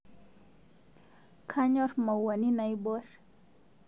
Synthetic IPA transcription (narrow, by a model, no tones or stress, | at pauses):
kʰaɲoɾmawaninajboɾ